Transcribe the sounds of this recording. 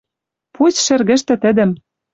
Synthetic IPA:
pusʃɘ̆rɣɘ̆ʃt̪ɘ̆t̪ɘ̆d̪ɘ̆m

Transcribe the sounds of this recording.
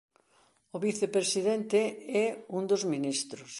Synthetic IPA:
ʊβiθepɾesiðent̪eɛund̪ozminist̪ɾʊs

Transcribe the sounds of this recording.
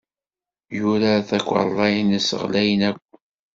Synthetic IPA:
juɾaθækʷːlˤːɑjnəsə̰ʁlæjənækʷː

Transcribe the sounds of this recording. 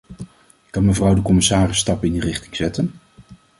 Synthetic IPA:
kɑnməvrʌwdəkɔmɪsaːrɪstɑpɪndərɪχtɪŋz̥ɛtən

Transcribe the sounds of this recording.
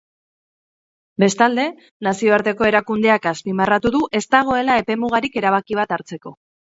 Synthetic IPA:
be̞st̪ald̪e̞ | nasio̞aɾt̪e̞ko̞e̞ɾakund̪e̞akaspimarat̪uðuʔe̞st̪aɣ̞o̞e̞lae̞pe̞muɣ̞aɾike̞ɾaβ̞akiβat̪aɾt͡se̞ko̞

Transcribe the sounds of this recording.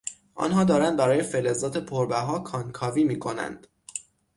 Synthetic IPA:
ʔɒ̰nɦɒːd̪ɒːɾænd̪̚bæɾɒːje̞felezɒːt̪ʰe̞pʰoɾbæɦɒːkʰɒŋkʰɒːviːmiːkʰo̞næ̰nd̪̥

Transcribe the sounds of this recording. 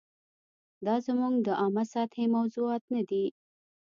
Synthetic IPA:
d̪ɑzamuŋɡd̪əʔɑmasɑt̪ʰhemawzuɑt̪nad̪i

